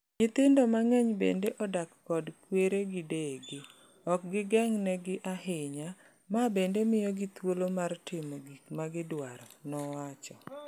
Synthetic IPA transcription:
ɲɪt̪ɪndɔmaŋɛɲbḛndeʔɔdakːɔdkweɾeɡɪdeɡɪ | ɔk̚ɡɪɡɛŋnɛɡɪʔahɪɲa | mabendemɪjɔɡɪt̪wolomartɪmoɡikmaɡɪdwaɾɔnɔwat͡ʃɔ

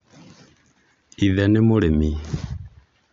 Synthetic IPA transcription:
iðɛnɪmoɺemi

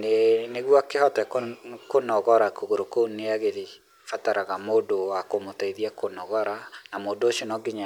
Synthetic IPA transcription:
neneɣwakehɔtɛkkonɔɣɔɾakoɣoɾokoneaɣeɾe | fataɾaɣamoːdowakomotaiðiakonɔɣɔɾanamoːdoʃonɔɡeɲa

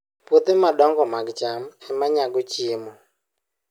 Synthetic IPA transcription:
pot̪emaɗɔŋɡɔmaɡt͡ʃamɛmaɲaɡɔt͡ʃɪmɔ

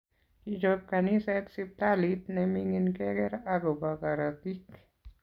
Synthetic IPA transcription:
hid͡ʒap̚kanisɛt̪̚sip̚t̪alit̪̚nɛmiŋinkɛɡɛɾaɡobakaɾat̪ik

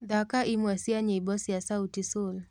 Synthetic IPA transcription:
ðakaʔimwasiaɲeibɔsijasautisul

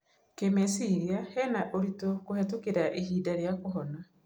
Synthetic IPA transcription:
kemesiɾiahɛnaʔoɾitokohɛtokeɾaʔehiːdaɾeakoɦɔna

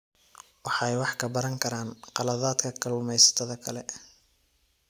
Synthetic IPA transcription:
wɑħɑjwɑħkʰɐbɐɾɐŋkʰɐɾaːnqɑlɐðaːd̪kʰɐkʰɐlʊmɛjsɐ̥t̪ʰɐðɐkʰɐlɛ

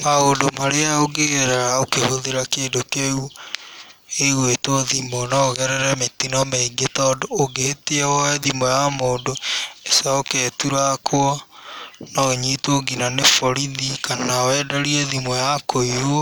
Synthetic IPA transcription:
maoːndomaɾeaoɡeɣɛɾɛɾaokehoðeɾakeːndokeu | eɣwetoðimɔnaoɣɛɾɛɾɛmetinɔmɛiɡetɔdoːɡeːteɛwɛðimɔjamoːdoesaokɛtuɾakʰoɔ | nɔoɲitoːɡinanefɔɾiðikanawɛdaɾiɛðimɔjakoiɾo

